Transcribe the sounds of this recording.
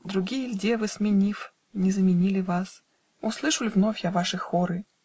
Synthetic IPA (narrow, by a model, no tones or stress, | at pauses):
d̪ɾʊɡʲijəlʲdʲevɨsmʲɪnʲif | nʲɪzəmʲɪnʲilʲɪvas | uslˠɨʂɨlʲvnofʲjavaʂɨxoɾɨ